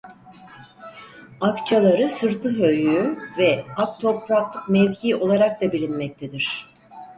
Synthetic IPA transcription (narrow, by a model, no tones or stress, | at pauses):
akt͡ʃʰalˠaɾɯsɯɾt̪ʰɯɦøjyyvɛak̚t̪ʰo̞pɾaklˠɯkmɛvçiːo̞lˠaɾak̚d̪abilʲinmɛc̚t̪ʰed̪iɾ̥